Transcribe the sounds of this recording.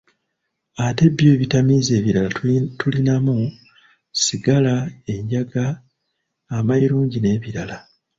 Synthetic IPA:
ate̞bjoːβitamiːze̞ːβiɾalatulinamu | siɡalae̞ɲɟaɡaː | maiɾuːɲɟine̞ːβiɾala

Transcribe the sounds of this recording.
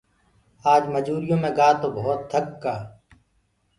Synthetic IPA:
aːd͡ʒməd͡ʒuːɾijõːmẽːɡaːt̪oːbɐɦʊt̪̚t̪ʰːɐkːaː

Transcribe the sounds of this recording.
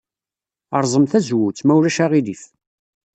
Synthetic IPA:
ɑɾˤzˤəmθæzwut͡sːmæwɾæʃaʁiðif

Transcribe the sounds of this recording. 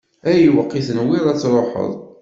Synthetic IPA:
æjiwəqːiθənwilˤæt͡sːɾˤoħə̰ðˤ

